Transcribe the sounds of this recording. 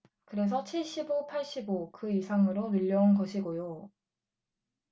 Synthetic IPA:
kɯɾe̞s̬ʰʌt͡ɕʰiɭɕ͈ibopʰaɭɕ͈ibokɯisʰaŋɯɾonɯʎːʌunɡʌɕʰiɡojo

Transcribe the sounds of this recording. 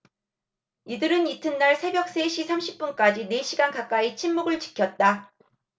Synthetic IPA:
idɯɾɯnitʰɯnːaɭsʰe̞bjʌk̚s͈e̞ɕʰisʰamɕʰi̥p̚p͈unk͈ad͡ʑine̞ɕʰiɡankak͈ait͡ɕʰinmuɡɯɭt͡ɕi̥kʰjʌt̚t͈a

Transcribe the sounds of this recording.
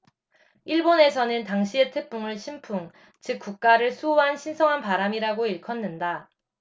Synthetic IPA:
iɭbone̞sʰʌnɯntaŋɕʰie̞tʰe̞k̚p͈uŋɯɭɕʰimpʰuŋ | t͡ɕɯk̚k͈uk̚k͈aɾɯɭsʰuuɦanɕʰinsʰʌŋɦanpaɾamiɾaɡoiɭkʰʌnːɯnda

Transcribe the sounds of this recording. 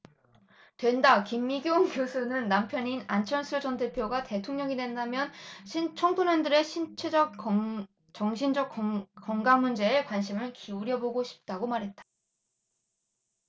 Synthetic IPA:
twe̞ndakimːiɡjouŋkjosʰunɯnːampʰjʌninant͡ɕʰʌnsʰɯɭd͡ʑʌntʰepʰjoɡate̞tʰoŋɲʌŋidwe̞ndamjʌnɕʰint͡ɕʰʌŋtʰonandɯɾe̞ɕʰint͡ɕʰed͡ʑʌk̚ | t͡ɕʌŋɕʰind͡ʑʌk̚k͈ʌŋɡaŋmund͡ʑe̞ːkwanɕʰimɯɭkiuɾjʌboɡoɕʰi̥p̚t͈aɡomaɾɦe̞t̚t͈ḁ

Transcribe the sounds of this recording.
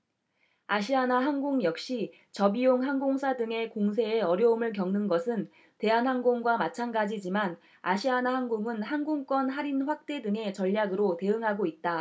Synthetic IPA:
aɕ̬ʰianaɦanɡoŋjʌk̚ɕ͈i | t͡ɕʌbijoŋɦanɡoŋsʰadɯŋe̞koŋsʰe̞ːʌɾjʌumɯɭk̬jʌŋnɯnɡʌsʰɯn | te̞anɦanɡoŋɡwamat͡ɕʰanɡad͡ʑid͡ʑiman | aɕʰianahanɡoŋɯnhanɡoŋk͈wʌnɦaɾinɸwak̚t͈e̞dɯŋe̞t͡ɕʌʎːjaɡɯɾote̞ɯŋɦaɡoit̚t͈a

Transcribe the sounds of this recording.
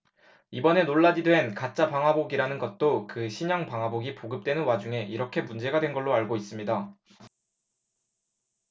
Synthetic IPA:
ibʌne̞noɭːad͡ʑidwe̞nkat͡ɕ͈apaŋɦaboɡiɾanɯnɡʌt̚t͈okɯɕʰiɲʌŋpaŋɦaboɡipoɡɯp̚t͈we̞nɯnwad͡ʑuŋɦe̞ʔiɾʌkʰe̞mund͡ʑe̞ɡadwenɡʌɭːoaɭɡois͈ɯmɲida

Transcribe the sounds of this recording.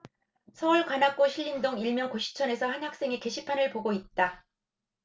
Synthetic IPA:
sʰʌuɭkwanɦak͈oɕʰiʎːindoŋiɭmjʌnkoɕʰi̥t͡ɕʰʌne̞sʰʌhanɦak̚s͈e̞ŋeke̞ɕʰipʰanɯɭpoɡoit̚t͈a

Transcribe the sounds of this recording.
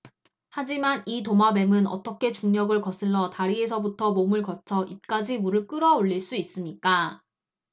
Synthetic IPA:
had͡ʑimanitomabe̞mɯnʌ̰t͈ʌkʰe̞t͡ɕuŋɲʌɡɯɭkʌs͈ʰɯɭːʌtaɾiesʰʌbutʰʌmomɯɭkʌt͡ɕʰʌʔip̚k͈ad͡ʑimuɾɯɭk͈ɯɾʌoʎːiɭs͈uis͈ɯmɲik͈a

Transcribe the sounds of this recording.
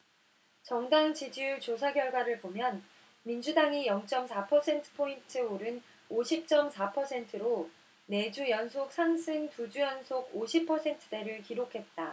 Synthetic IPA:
t͡ɕʌŋdaŋt͡ɕid͡ʑiut͡ɕosʰaɡjʌɭɡwaɾɯɭbomjʌn | mind͡ʑudaŋijʌŋt͡ɕ͈ʌmsʰapʰʌsʰe̞ntʰɯ̥pʰointʰɯoɾɯn | oɕʰip̚t͡ɕ͈ʌmsʰapʰʌsʰe̞ntʰɯɾo | ne̞d͡ʑujʌnsʰok̚sʰaŋsʰɯŋtud͡ʑujʌnsʰoɡoɕʰipʰʌsʰe̞ntʰɯ̥de̞ɾɯɭkiɾokʰe̞t̚t͈a

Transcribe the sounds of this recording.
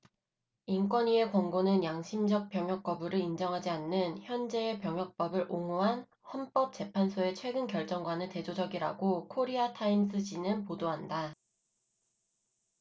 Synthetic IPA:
ink͈wʌɲie̞kwʌŋɡonɯnjaŋɕʰimd͡ʑʌk̚p͈jʌŋɦjʌk̚p͈ʌbɯɾɯind͡ʑʌŋɦad͡ʑianːɯnçjʌnd͡ʑe̞ːpjʌŋɦjʌk̚p͈ʌbɯɾoŋuɦan | hʌnp͈ʌp̚t͡ɕ͈e̞pʰansʰoe̞t͡ɕʰwe̞ɡɯnkjʌɭt͡ɕ͈ʌŋɡwanɯnte̞d͡ʑod͡ʑʌɡiɾa̰ɡokʰoɾiatʰaims͈ʰɯd͡ʑinɯnpodoɦanda

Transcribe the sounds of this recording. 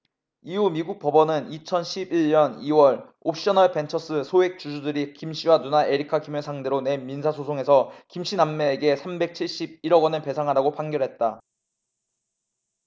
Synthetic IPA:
iumiɡuk̚p͈ʌbʌnɯnit͡ɕʰʌnɕʰibiɭɲʌniwʌɭ | op̚ʰɕ͈ʌnʌɭpe̞nt͡ɕʰʌs͈ʰɯsʰoek̚t͡ɕud͡ʑudɯɾikimɕ͈ʰiwanunaʔeɾikʰakimesʰaŋde̞ɾone̞minsʰasʰosʰoŋe̞sʰʌkimɕʰinamːeːɡe̞sʰambe̞k̚t͡ɕʰiɭɕ͈ib̚iɾʌɡwʌnɯɭpe̞sʰaŋɦadaɡopʰaŋɡjʌɾɦe̞t̚t͈a

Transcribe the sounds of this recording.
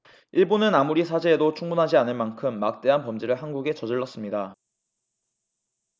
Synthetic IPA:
iɭbunɯnamuɾisʰad͡ʑeːdot͡ɕʰuŋbunɦad͡ʑianɯnmankʰɯmːak̚t͈e̞ɦanpʌmd͡ʑiɾɯɭɦanɡuɡe̞t͡ɕʌd͡ʑɯɭːʌs͈ɯmɲida

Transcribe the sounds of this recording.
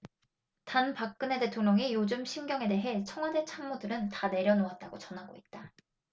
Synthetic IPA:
tanpak̚k͈ɯne̞te̞tʰoŋɲʌŋijod͡ʑumɕʰinɡjʌŋe̞de̞ɦe̞t͡ɕʰʌŋɦwade̞t͡ɕʰammodɯɾɯntane̞ɾjʌnoat̚t͈aɡot͡ɕʌnɦaɡoit̚t͈a

